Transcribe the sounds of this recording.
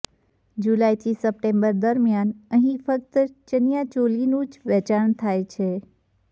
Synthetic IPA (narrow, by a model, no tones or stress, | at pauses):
d͡ʒulajt̪ʰisəp̚ʈembəɾd̪əɾmjanəɦĩfək̚t̪ət͡ʃənijat͡ʃolinũd͡ʒʋɛt͡ʃaɳt̪ʰajt͡ʃʰe